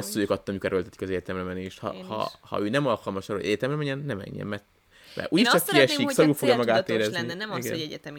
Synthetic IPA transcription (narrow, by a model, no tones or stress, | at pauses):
osuøːkɒt̪ːɒmikoɾølt̪ɛt̪i̥kɒzɛɟɛt̪ɛmrɛmɛneːʃhɒ̰hɒ̰hɒ̰øːnɛmɒlkɒlmɒʃɒrɾoɟɛɟɛt̪ɛmrɛmɛɲɛnːɛmɛ̰ɲːɛ̰mmɛrt̪ | mɛ̰ʔuːɟiʃɒfijɛʃiksɒɾuːlfoɡjɒmɒɡaːt̪eːɾɛzniiɡɛ̰nɛɛ